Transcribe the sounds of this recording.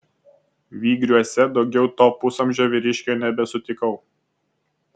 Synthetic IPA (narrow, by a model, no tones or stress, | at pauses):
ʋʲiːɡɾʲuɔsʲɛd̪ɒʊɡʲɛʊt̪oːpʊsɐmʲʒʲoːʋʲɪɾʲɪʃʲkʲoːnʲɛbʲɛsʊt̪ʲɪkɒʊ